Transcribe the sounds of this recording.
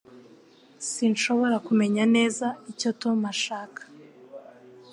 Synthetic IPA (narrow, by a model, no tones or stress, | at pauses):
sinʃo̞βo̞ɾakume̞ɲane̞ːzaico̞tomaʃaːkḁ